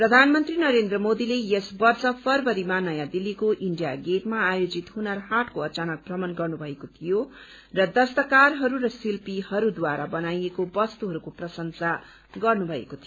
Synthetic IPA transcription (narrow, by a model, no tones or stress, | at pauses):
prʌd̪ʱanmʌnt̪rinʌɾend̪rʌmod̪ilejesbʌrt͡sʌpʰʌrbʌɾimanʌjad̪ilːikoʔiɳɖijaɡeʈmaːjod͡zit̪ɦunʌrɦaʈkoʌt͡sanʌk̚brʌmʌnɡʌrnubʱʌekot̪ʰijo | rʌd̪ʌst̪ʌkarɦʌɾuɾʌsilpihʌɾud̪waɾabʌnajekobʌst̪uɦʌɾukoprʌsʌŋsa | ɡʌrnubʱʌḛkot̪ʰijo